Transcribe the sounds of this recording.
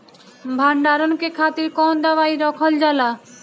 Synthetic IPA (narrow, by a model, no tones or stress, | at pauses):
bʱaɳɖaɾonkekʰat̪iɾkɔnd̪awajɾɔkʰold͡ʑala